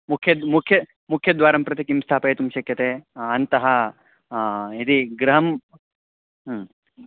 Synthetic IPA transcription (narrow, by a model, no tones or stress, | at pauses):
mukʰjɐd̪mukʰjɐ | mukʰjɐd̪ʋaːɾɐmpɾɐt̪ikimst̪ʰaːpɐjet̪umʃɐkʰjɐt̪eːɐnt̪ɐɦɐ | id̪iɡɾɐɦɐm